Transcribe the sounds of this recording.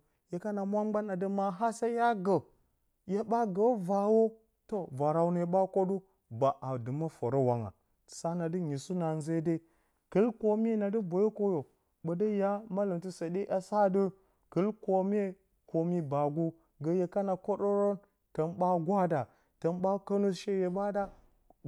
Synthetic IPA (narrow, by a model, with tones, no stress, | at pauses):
je˨ka˦na˨mʷ˦a˦ɡ͡ba˦na˨də˦ma˨ɦa˦sa˦ja˦ɡə˨ | je˦ɓa˦ɡə˨˦va˨wo˦ | to˦va˨ɾa˨wna˨˦ɓa˦ko˦du˦ | ba˨ʔa˨dɨ˨ma˦fo˨ɾo˦wa˨ŋa̰˨ | sa˦na˨dɨ˦ɲi˨su˦na˨n˦ze˦de˦ | kɨ˦lko˦m˦e˦na˨dɨ˦bo˨jo˦ko˦jo˨ | bə˨də˦ja˦ma˦lə˨mtu˦sa˨de˦ʔa˨sa˦dɨ˦ | kɨ˦lko˨m˦e˦ | ko˨mi˨ba˨ɡu˦ | ɡə˨je˨ka˦na˨ko˦ɗo˦ɾo˦n | tə˨nɓa˦ɡʷa˦da˨ | tə˨nɓa˦ka˦nu˦ʃe˦je˨ba˦da˦